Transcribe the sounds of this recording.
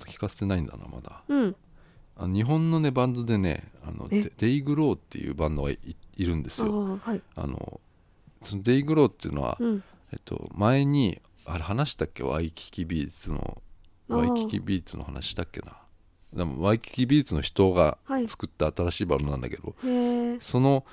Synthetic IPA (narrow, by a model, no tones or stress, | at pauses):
t̪o̥kʲi̥kase̞̥t̪e̞naĩnd̪a̰na̰ma̰d̪a̰ | anoɲ̟iɦõ̞nːo̞ne̞bãnd̪o̞d̪e̞ne̞̰a̰no̞̰d̪̥e̞iɡɯ̟ɾo̞ːt̪ːe̞jɯ̟ːbãnd̪oɡa̰iɾɯ̟̃nd̪e̞sɨjoa̰no̞̰ | sonod̪e̞iɡɯ̟ɾo̞ːt̪ːeiɯ̟no̞βa̰ | e̞̰t̪ʰːo̞̰mae̞ɲ̟i | aɾehanaɕi̥t̪akʲːe̞̰βa̰ikʲi̥kʲibʲiːt͡sɨno̞̰ | aikʲikʲḭbʲiːt͡sɨno̞̰hana̰ɕi̥i̥t̪akːe̞na | d̪emo̰βaikʲi̥kʲibʲiːt͡sɨnoçi̥t̪o̞ːɡa̰t͡sɨ̥kɯ̟t̪ːaːt̪aɾaɕiːbã̰nd̪o̞nãnd̪a̰ked̪o̞̰so̞no̞